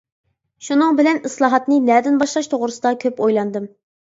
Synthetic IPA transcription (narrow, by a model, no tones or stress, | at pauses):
ʃunɨŋbɪlɛnislˠɑːɦɑt̪nɨnɛd̪ɪnbɑʃlˠɑʃt̪ʰoʁɾɨsɨd̪ɑkʲʰøpojlˠɑnd̪ɨm